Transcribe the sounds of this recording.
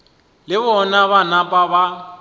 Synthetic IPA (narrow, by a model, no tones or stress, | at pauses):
lɪβɔnaβanapʼaba